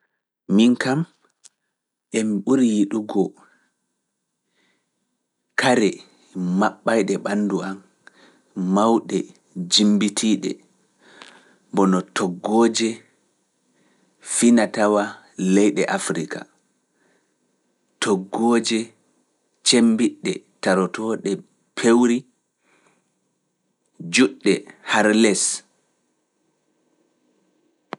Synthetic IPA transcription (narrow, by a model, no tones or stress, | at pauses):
miŋkam | ʔɛmiɓuɾijiɗuɡɔ | kaɾɛ | maɓːajɗɛɓanːduam | mawɗɛ | d͡ʒimbitʰiɗɛ̰ | bɔnɔtɔɡːɔːd͡ʒɛ | finatawa | lɛjɗɛʔafɾika̰ | tɔɡːoːd͡ʒɛ | t͡ʃembiɗːɛtaɾɔtɔɗɛ | pʰewɾi | d͡ʒuɗːɛhaɾlɛs